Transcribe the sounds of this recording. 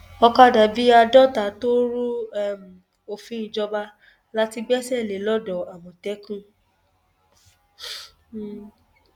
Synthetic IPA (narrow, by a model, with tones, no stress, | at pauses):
ɔ˧ka˦˨da˨bi˦a˧dɔ˦ta˨˦to˦ɾu˦˨m̩˨ | o˨fĩ˨˦ĩ˨d͡ʒɔ˧ba˧˦ | la˦ti˧ɡ͡bɛ˦sɛ˦˨le˨˦lɔ˦dɔ˨a˨wɔ̃˨tɛ˨˦kũ˦˨